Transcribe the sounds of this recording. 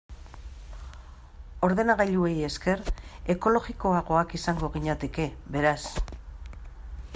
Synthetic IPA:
o̞ɾðe̞naɣ̞ajʎue̞je̞ske̞re̞ko̞lo̞ɣiko̞aɣo̞akisaŋɡo̞ɣiɲat̪e̞ke̞βe̞ɾas

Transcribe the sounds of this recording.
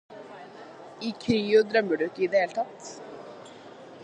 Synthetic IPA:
ikʰɾiːʏd̪ɾœmːʏɾʏɛhcːɪiðɛːl̥t̪ʰaht̪

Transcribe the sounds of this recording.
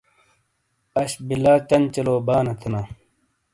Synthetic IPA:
ɐɕbilaːt͡ɕɐnt͡ɕɐloːbaːnɐt̪ʰina

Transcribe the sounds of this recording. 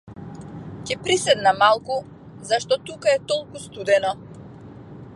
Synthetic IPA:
cɛpɾisɛd̪namalˠku | zaʃt̪ɔt̪ukaɛt̪ɔlˠkust̪ud̪ɛnɔ

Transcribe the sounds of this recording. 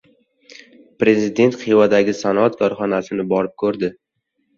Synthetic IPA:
pɾe̞zɪd̪e̞nt̪χivad̪aɡʲɪsanɒat̪kʰɒɾχɒnasɪnɪbɒɾɪp̚kʰɵɾd̪ɪ

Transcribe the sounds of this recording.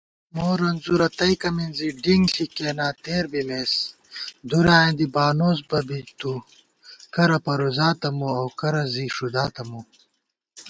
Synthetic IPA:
moːɾɐnzuɾɐt̪ɐjkɐminziɖiŋɬikeːnaːt̪eːɾbimeːs | d̪uɾaːẽnd̪ibaːnoːsbɐbit̪u | kɐɾɐpɐɾozaːt̪ɐmuɐwkɐɾɐziʂud̪aːt̪ɐmu

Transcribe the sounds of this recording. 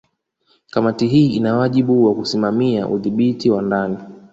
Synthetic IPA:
kamatiɦiːinawaʄiɓuwakusimamiaʔṵðiɓitiwandani

